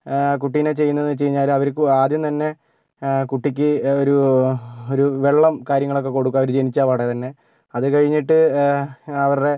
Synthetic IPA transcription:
kuʈːijnet͡ɕe̞jːunːɐenːɨt͡ɕejiɲːaːlɐʋɐɾkaːd̪jɐmt̪ɐnːe̞ | kuʈːikʲːɨo̞ɾu | o̞ɾuʋe̞ɭːɐmkaːɾjɐŋːɐɭo̞kːe̞ko̞ɽukːuɐʋɐɾud͡ʑe̞nit͡ɕːaːpɐɽet̪ɐnːe̞ | ɐðɨkɐɻiɲːiʈːɨ | ɐʋɐɾɽe̞

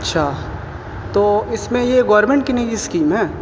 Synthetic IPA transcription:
ɐtːʃʰaː | t̪oːɪsmẽjeɡaːɾmẽɳʈkinẽɡiskiːmɦɛ̃ː

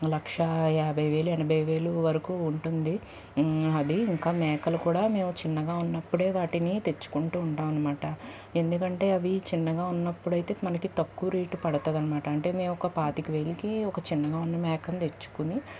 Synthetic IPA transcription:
lɐkʂɐɛːbʱɐjʋe̞ːluɛnɐbʱɐjʋe̞ːluʋɐɾɐkuːɳʈund̪i | ɐd̪iːŋkaːmɛːkɐlɐkuːɽaːme̞ːmut͡ʃinːɐɡaːunːɐpːuɽe̞ːʋaːʈinit̪e̞t͡ʃːu̥kuɳʈuːuɳʈaːmɐnːɐmaːʈɐ | e̞nd̪ukɐɳʈe̞ːɐʋit͡ʃinːɐɡaːunːɐpːuɽɐjt̪e̞ːmɐnɐkit̪ɐkːuɾiːʈupɐɽɐt̪oːd̪ɐnːɐmaːʈɐɐɳʈe̞ːmeːmɔkɐpaːt̪ikiʋe̞ːlikiɔkɐt͡ʃinːɐɡaːunːɐmɛːkɐnt̪e̞t͡ʃːu̥kuni

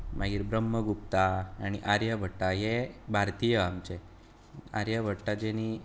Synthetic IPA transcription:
maɡiːɾbɾəmːəɡupt̪aːñiʔaɾjəbʱəʈːajebʱaɾt̪ijəamt͡ɕe | a̰ɾjəbʱəʈːad͡ʒeni

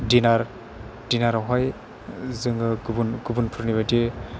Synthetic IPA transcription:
dinaɾ | d̥inaɾɔɦɔj | zɯŋɯɡbunɡubunpʰuɾnibajti

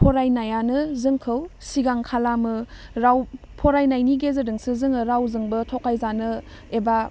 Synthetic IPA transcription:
pʰoɾajnajanɯzɯŋkʰɯwsiɡaŋkʰalamɯɾaw | pʰoɾajnajniɡezɯdɯŋsɯzɯŋɯɾawzɯŋbɯtʰokʰajzanɯ | eba

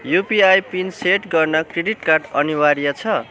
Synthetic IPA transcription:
jupiajpinseʈɡʌrnʌkreɖiʈkarɖʌniwaɾijat͡sʰʌ

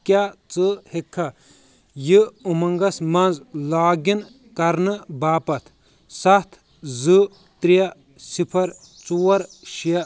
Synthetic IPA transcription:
kʲjaːt͡sɨhekʰːɐ | jiumɐŋɡɐsmɐnzlaːɡin | kɐɾnɨbaːpɐt̪ʰ | sɐt̪ʰ | zɨ | t̪ɾijɐ | sipʰɐɾ | t͡suːwɐɾ | ʃijɐ

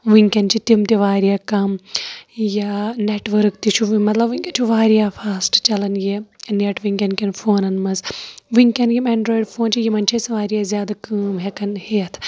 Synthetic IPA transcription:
ʋɨŋkʲɐnt͡ʃʰit̪imt̪iʋaːɾijaːkɐm | janeːʈʋɐɾkt̪it͡ʃʰuʋimɐt̪lɐbiŋʲkʲɐnt͡ʃʰuʋaːɾijaːfaːsʈt͡ʃɐlɐnjeneʈʋiŋkʲɐnkɐnfʰoːnɐnmɐzʋɨŋkʲɐnɡimeːɳɖɾoːiɖfʰoːnt͡ʃʰijimɐnt͡ʃʰesɐʋaːɾijaːzʲjaːd̪akəːmɦekɐnheɐt̪ʰ

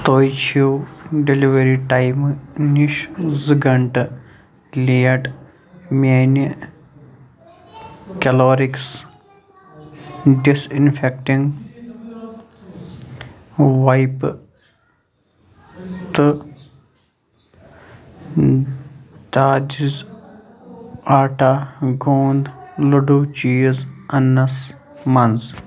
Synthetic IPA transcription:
t̪oːjt͡ʃʰiwɖeliʋeɾiʈajmniʃzɨɡɐɳʈɨ | lijɐʈ | men | kɐloːɾiks | ɖisinfʰek̚ʈiŋɡ | ʋajp | t̪ɨ | d̪aːd͡ʒiz | aːʈaɡoːnd̪luɖut͡ʃiːzɐnːɐs | mɐnz

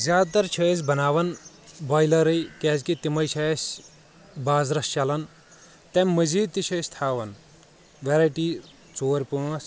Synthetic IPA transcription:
zʲjaːd̪̚t̪ɐɾt͡ʃʰɐːsʲbɐnaːʋɐn | baːjlɐɾɐjkɛːzkit̪imɐjt͡ʃʰɐsʲ | baːzɾɐst͡ʃɐlɐn | t̪ɐmmɐziːd̪̚t̪it͡ʃʰɐːsʲt̪ʰaːʋɐn | ʋeɾɐːjʈiː | t͡soːɾpuɐs

